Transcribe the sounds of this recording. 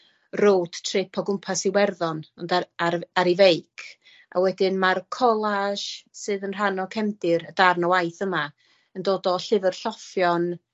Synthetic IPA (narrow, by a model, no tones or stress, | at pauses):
roːd̥tʰrɪpʰɔɡʊmpʰasiwɛrðɔnɔndaaaɾivejkʰ | ʔa̰wɛdɪnmarkʰɔlˠaʃsɨːðənr̥anɔkʰɛmdɪɾədarnɔwajθəma | əndoːdɔɬɨvərɬɔfjɔn